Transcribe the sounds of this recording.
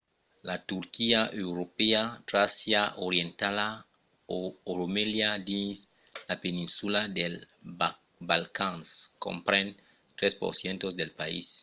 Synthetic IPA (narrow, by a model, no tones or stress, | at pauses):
lat̪uɾkiaʔewɾopeat̪ɾasjaʔoɾjent̪ala | ooɾomeljad̪is | lapenĩnsulad̪el | balkãnsko̰mpɾẽn | t̪ɾespo̰ɾsjent̪ozd̪elpaḭs